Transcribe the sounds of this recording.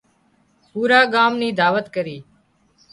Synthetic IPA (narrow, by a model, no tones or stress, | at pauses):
puːɾaːɠaːmnĩːd̪aːʋət̪kəɾiː